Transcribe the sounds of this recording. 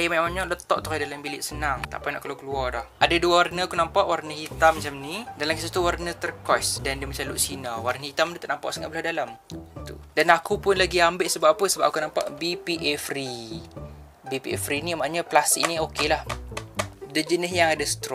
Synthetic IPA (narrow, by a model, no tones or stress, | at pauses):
ajəmaamaɲɔʔlət̪ɔʔt̪ɔdalambilɪʔsənaŋt̪a̰ʔpajna̰ʔkalawkəluardɔhʔadaduawarnəakunampaʔwarnəhit̪amːat͡ʃamnidalamkisuht̪uwarnət̪ərkɔsdandəmət͡ʃaluʔsinawarnəɦit̪amdət̪aʔnampa̰ʔsəŋa̰ʔbəlahdalamt̪ṵdanakupʊnlaɡiambɪʔsəbaapəsəbap̚akunampa̰ʔbipiʔɛfri | bipiɛfɾinimaaɲaplast̪ik̚niokelah | dəd͡ʒənəɦjaŋadasə̥t̪ɾɔ